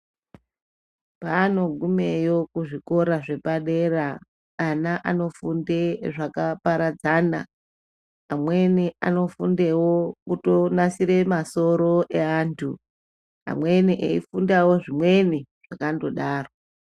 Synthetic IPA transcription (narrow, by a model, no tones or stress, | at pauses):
paːno̞ɡʱumejo̞kuʐiko̞ɾaʐe̞paɗeraː | naʔano̞fundeʐakapaɾad͡zaːnaː | mwe̞nia̰no̞fundewokuto̞nasiɾe̞maso̞ɾo̞ʔe̞aːntʰṵ | a̰mwe̞niʔḛḭfundawo̞ʐimwe̞niʐ̥akando̞ɗaːro